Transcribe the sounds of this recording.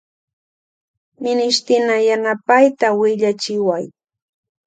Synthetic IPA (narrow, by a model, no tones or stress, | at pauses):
mɪnɪʃt̪ɪnajanapajt̪awɪʎat͡ʃɪwaj